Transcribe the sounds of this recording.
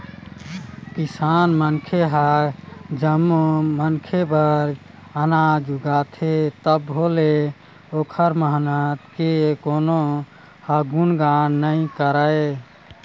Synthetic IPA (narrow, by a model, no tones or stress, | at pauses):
kisanmənkʰeɦa | d͡ʒəmːomənkʰebəɾ | ənad͡ʒuɡat̪ʰet̪əbɦole | okʰəɾməɦnat̪kekono | haɡunɡannəĩkəɾəe